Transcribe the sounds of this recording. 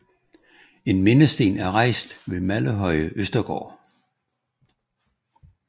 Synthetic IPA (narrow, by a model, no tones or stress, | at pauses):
e̝nme̝nəsd̥e̝̰ːnæɐʁɑ̈ɪ̰sd̥ʋe̝mæləɦɒ̽ɪəʔøsd̥ɐɡ̥ɒ̰ː